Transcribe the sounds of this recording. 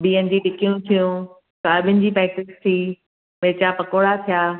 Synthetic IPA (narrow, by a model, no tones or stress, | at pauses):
biːənɪ̃̆d͡ʑiːɖɪkijũt̪ʰijũ | t̪ɐɐɓʱɪ̃nɪ̆d͡ʑiːpɾɛːk̚ʈɪst̪ʰiː | meːt͡ɕapɐkoːɽat̪ʰijaː